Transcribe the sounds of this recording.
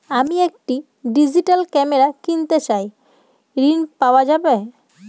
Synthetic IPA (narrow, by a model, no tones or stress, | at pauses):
amiek̚ʈi | ɖid͡ʑiʈalkɛmeɾakint̪et͡ɕaj | ɾinpaoad͡ʑabe